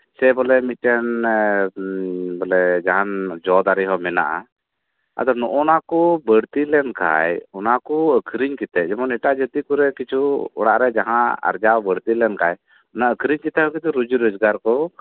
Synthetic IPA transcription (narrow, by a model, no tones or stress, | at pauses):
sɛbɔlɛmit̪̚ɛn | bɔlɛd͡ʒaɦand͡ʒɔd̪aɾiɦɔmɛna̰ʔa̰ | a̰d̪ɔnɔʔɔnakɔbəɽt̪ilɛnkʰa̰jɔnakuəkʰɾiɲkit̪ɛʔd͡ʒɛmɔnɛʈad͡ʒət̪ikuɾɛkit͡ʃʰuɔ̰ɽaʔɾɛd͡ʒaɦãa̰ɾd͡ʒawbəɽt̪ilɛnkaj | ɔnaəkʰɾiɲkit̪ɛɔkit̪ɛɾud͡ʒuɾɔd͡ʒɡaɾkɔ